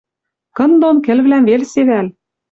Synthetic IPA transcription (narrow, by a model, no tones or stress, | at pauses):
kɤ̆nd̪onkɘ̆lβlæmvelseβæl